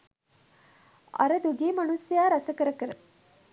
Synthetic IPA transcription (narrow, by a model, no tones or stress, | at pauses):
ʔɐ̰ɾəd̪uɡiːmɐnusijaːɾɐsɐkəɾəkəɾə